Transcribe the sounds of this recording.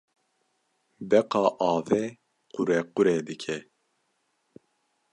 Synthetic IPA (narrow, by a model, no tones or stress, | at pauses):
bɛqɑːʔɑːvɛ | qʊɾɛqʊɾɛd̪ɨkʰɛ